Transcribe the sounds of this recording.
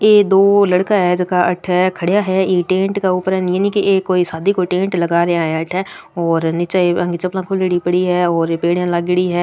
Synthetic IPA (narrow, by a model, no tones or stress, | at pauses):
eːd̪oːlɐɽkaɦɛːd͡ʒkaʔɐʈʰɛkʰɐɽjaɦɛeʈẽːɳʈkauːpəɾɦɛnenĩkiʔeːkoːisaːd̪ʱikoʈẽːɳʈlɐɡaːɾeãɦeɐʈʰɛːɔːɾnɪt͡ʃaeɐ̃ŋɡit͡ʃəplãːkʰoliɽipɐɽiɦɛːɔːɾpeːɽjãlaːɡɪɽiɦɛː